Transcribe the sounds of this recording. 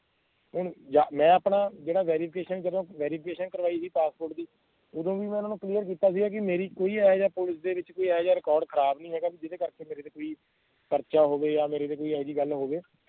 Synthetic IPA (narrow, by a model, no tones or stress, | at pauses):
ɦʊɳd͡ʒaːmɛ̃ːaːpnaːd͡ʒeːɽaːʋɛːɾiːpʰɪkeːʃənd͡ʒəd̪õːʋɛːɾiːpʰɪkeːʃənkəɾʋaːiːsiːpaːspoːɾʈd̪iː | ʊd̪õːʋiːmɛ̃ːʊnãːnũːkliːjəɾkiːt̪aːs̬iːɛːk̬ɪmeːɾiːkoːiːɛːd͡ʒaːpʊlɪsd̪eːʋɪt͡ʃkoːiːɛːd͡ʒaːɾɪkɔːɾɖkʰəɾaːbnĩːɦɛːɡaːbiːd͡ʒɪd̪eːkəɾkeːmeːɾeːd̪eːkoːiː | pəɾt͡ʃaːɦoːʋeːjaːmeːɾeːd̪eːkoːiːɛːd͡ʒiːɡəlɦoːʋeː